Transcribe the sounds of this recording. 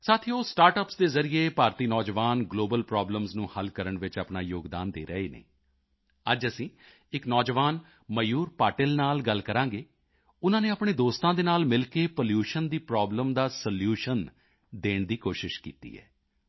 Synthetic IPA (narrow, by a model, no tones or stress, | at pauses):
saːt̪ʰioːsʈaːɾʈəpsd̪eːzəɾɪeːpaːɾt̪iːnɔːd͡ʒʋaːnɡloːbəlpɾɔːbləmznũːhəlkəɾəɳʋɪt͡ʃəpɳaːjoːɡd̪a̰ːnd̪ḛːɾəeːnḛː | əd͡ʒəsĩː | ɪknɔːd͡ʒəʋaːn | məjuːɾpaːʈɪlnaːlɡəlkəɾãːɡeː | ʊnãːneːapɳ̃eːd̪oːst̪ãːd̪eːnaːlmɪlkeːpoljuːʃənd̪iːpɾɔːbləmd̪aːsəljuːʃən | d̪eːɳd̪iːkoːʃɪʃkḭːt̪ḭːɛ̰ː